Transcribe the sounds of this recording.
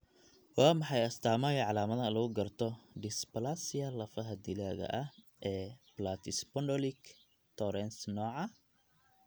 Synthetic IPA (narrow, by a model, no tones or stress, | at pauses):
wɑːmɑħɑjɐst̪ʰaːmɐjʕɑlaːmɐðɐlɐɣʊɡɐrt̪ʰɔɖɪspɐlasɪjɐlɐfɐɦɐd̪ɪlaːɣɐ̰ʔɐh | ʔɛːblat̪ʰɪspɔnɖɔlɪk | t̪ʰɔɾɛnsnɔːʕɑ